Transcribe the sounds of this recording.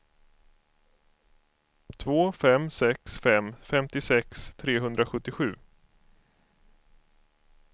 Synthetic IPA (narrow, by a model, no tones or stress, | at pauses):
t̪ʰvoːfɛmsɛksfɛmfɛmt̪ɪsɛkst̪ʰɾeːɦɵnd̪ɾaɧɵt̪ːɪɧʉ̟ː